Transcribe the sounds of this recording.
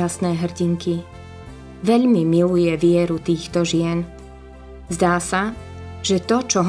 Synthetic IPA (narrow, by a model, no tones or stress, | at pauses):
asnɛːɦr̩ɟiŋkʰi | ʋɛʎmimilujɛʋɪɛɾut̪iːxt̪ɔʒɪɛn | zd̪aːsa | ʒ̥ɛt̪ɔt͡ʃɔɦ